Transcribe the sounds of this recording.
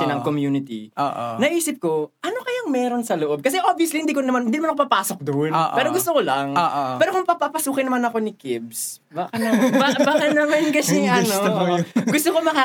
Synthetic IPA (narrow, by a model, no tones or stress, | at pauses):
ɐnɐŋkomjuːnɪt̪ḭʔoːʔnɐʔiːsɪp̚ko̞ʔɐnokɐjaŋmɛːɾo̞nsɐloʔob̚kɐs̬ɛʔobviɐslihɪnd̪iːkonɐmanhɪnd̪inɐmanɐkopɐpaːsok̚d̪onʔpɛːɾoɡʊst̪okolɐŋːʔopɛːɾokʊŋpɐpapɐsuːkɪnɐmanɐko̞nɪkɪb̚s | baːkɐnɐbabaːkɐnɐmɐnkɐsɛnoɡʊst̪okomɐkaː